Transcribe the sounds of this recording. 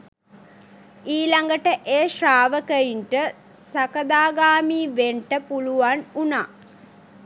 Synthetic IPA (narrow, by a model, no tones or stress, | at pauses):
iːlaŋɡəʈəʔeːʃraːʋəkəjiɳʈə | sakəd̪aːɡaːmiːʋeɳʈəpuluʋanunaː